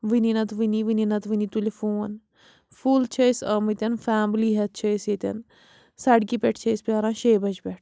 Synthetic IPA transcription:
ʋininɐt̪ʋiniʋininɐt̪ʋinit̪ulefoːn | fuːlt͡ʃʰəsɐːmit̪ʲɐnfaːmliɦɐt̪̚t͡ʃʰəjsjet̪ʲɐ̰n | sɐɖkipeʈʰt͡ʃʰəispʲjaːɾãːʃeːbɐd͡ʒbeʈʰ

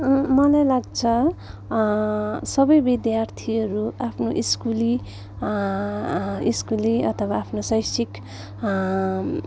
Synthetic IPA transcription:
mʌlajlaɡ̚t͡sʰʌ | sʌbʌjbid̪jart̪ʰiʌɾuapʰnoʔiskuli | iskuliʌt̪ʰʌwaːpʰnosʌjsik

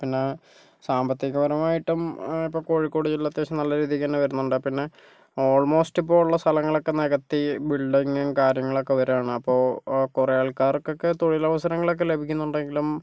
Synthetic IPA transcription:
pinːe | saːmbɐt̪ːjiɣɐʋɐɾɐmaːjiʈːumipːo̞ːko̞ːɻikːo̞ːɽit͡ɕulːɐt̪ːjeːɕɐmnɐlːɐɾiːðikʲːɐnːɨʋɐɾunːuɳɖɨpinːe | o̞ːɭmo̞ːsʈipːo̞ːuɭːɐst̪ʰɐlɐŋːɐɭo̞kːe̞neɣɐt̪ːibiɭɖiŋŋkaːɾjɐŋːɐɭo̞kːeʋɐɾaːɳɨɐpːo̞ːkurɐjaːɭkaːrkːokːet̪oɻilɐʋɐsɐɾɐŋːɐɭo̞k̬ːele̞bʱikʲːunːuɳɖe̞ŋɡilum

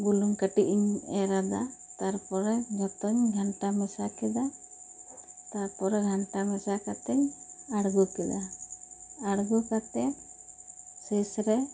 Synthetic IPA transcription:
bulumkəʈiʔiɲɛɾad̪at̪aɾpɔɾɛd͡ʒɔt̪ɔɲɡʱaɳʈamɛsakɛd̪a | t̪aɾpɔɾɛɡʱaɳʈamɛsakat̪ɛɲaɽɡukɛd̪a | aɽɡukat̪ɛ | sɛsɾɛ

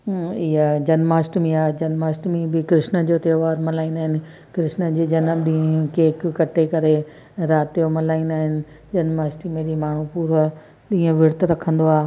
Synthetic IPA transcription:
ɪɦəd͡ʑɐnmaːsʈmẽaːd͡ʑɐnmaːsʈmẽbɪkɾɪʃnə̆d͡ʑoːt̪eːʋaːɾmɐlaːinaːɦɪnɪ̆ | kɾɪʃnə̆d͡ʑiːd͡ʑɐnəmɗĩkeːkːɐʈʰekɐɾe | ɾaːt̪ijomɐlaːinaːɦɪnɪ̆ | d͡ʑɐnmaːsʈimẽɗimaːɳ̤upuːɾə | ɗĩːə̃ʋɪɽt̪ɾɐkʰə̃nd̪oaː

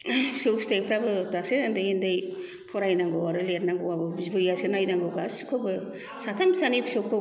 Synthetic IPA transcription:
supstepʰɾabɯdasendejendej | pʰɔɾajnaŋɡɔwaɾɯleɾnaŋɡowabɯbizbɯjasenajnaŋɡɯɡasi̥kʰɯbɯ | satʰamsanibsokʰɯ

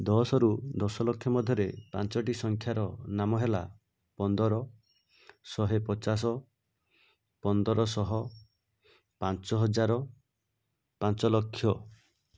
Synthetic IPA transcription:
d̪ɔsɔɾud̪ɔsɔlokʰjɔmɔd̪ʱjɔɾepa̰nt͡ʃɔʈisɔŋkʰjaɾɔnamɔɦela̰ | pɔnd̪ɔɾɔ | sɔɦepɔt͡ʃas̬ɔ | pɔnd̪ɔɾɔsɔɦɔ | pant͡ʃɔɦɔd͡ʒaɾɔ | pant͡ʃɔlɔkʰːjɔ

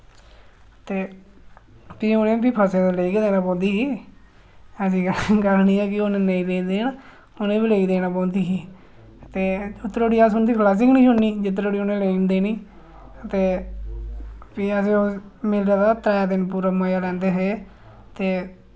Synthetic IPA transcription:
t̪eː | pionẽːbiːpʰəseːd̪eləiːked̪eːnaːpɔ̃ːnd̪iːkiː | əs̬iːkəɾniːɛːkɪʊnẽneĩːd̪eːd̪eːna | ʊnẽːbiːleiːd̪eːnaːpɔ̃ːnd̪iːɦiː | t̪eːʊt̪ːɾoːɽiːasʊnd̪iːkʰlaːs̬ɪknĩːsʊnːiːd͡ʒɪt̪̬ːɾoːɽiːonẽːleind̪eːniː | t̪eː | piːəs̬eːoːmɪlɾaːd̪aːt̪ɾɛːd̪ɪnpuːɾaːməjaːlɛ̃ːnd̪eːɦeː | t̪eː

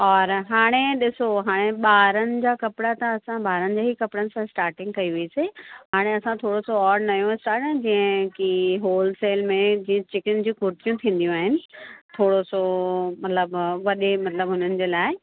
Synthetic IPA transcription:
ɔːɾɦaːɽ̃eɗɪsoɦaːɽ̃eɓaːɾənɪ̆d͡ʑaːkɐpɪɽat̪ɐɐsãɓaːɾənɪ̆d͡ʑaːɦikɐpɽənɪ̆sãɪsʈaːɾʈɪ̃ŋɡkɐiʋiiseɦaːɽ̃eɐsãt̪ʰoːɽosoɔːɾɖnɐjõɪsʈaːɾʈə̃d͡ʑĩːə̃kiɦoːlseːlmẽd͡ʑĩːə̃t͡ɕɪkɪnd͡ʑũkʊɾt̪ijũt̪ʰĩːn̆d̪ijũaːɦɪnɪ̆t̪ʰoːɽosomɐt̪ləbʋɐɗemɐt̪ləbɦʊnənɪ̆d͡ʑeːlaːɪɪ

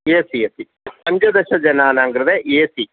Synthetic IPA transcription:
eːsiɐt̪i | pɐɲd͡ʒɐd̪ɐʃɐd͡ʒɐnaːnaːŋɡɾɐd̪eʔeːsi

